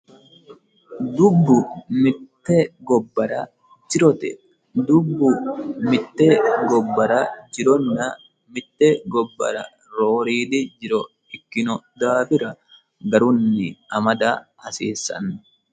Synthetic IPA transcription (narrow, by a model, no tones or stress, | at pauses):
d̪ʊbːʊmɪt̪ːɛɡɔbːɐɾɐ | d͡ʒɪɾɔt̪ɛ̰ | d̪ʊbːʊmɪt̪ːɛɡɔbːɐɾɐd͡ʒɪɾɔnːɐ | mɪt̪ːɛɡɔbːɐ̰ɾɐ̰ | ɾoːɾiːd̪ɪd͡ʒɪɾɔ | ɪkːɪnɔd̪aːfɪɾɐ | ɡɐɾʊnːɪɐmɐd̪aːhɐsiːsːɐ̰nːʊ̥